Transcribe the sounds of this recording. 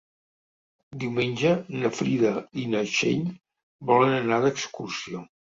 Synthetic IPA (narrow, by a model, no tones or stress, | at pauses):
d̪iwmenʲd͡ʒənəfɾiðəinəʃḛʎ | bɔlənənaðəkskursio